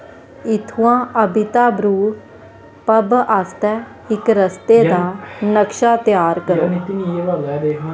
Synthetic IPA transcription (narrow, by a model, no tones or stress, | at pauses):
ɪt̪ʰuãːəbɪt̪aːbɾuː | pəbast̪ɛː | ɪkɾəst̪eːd̪aːnəkʃaːt̪jaːɾkəɾoː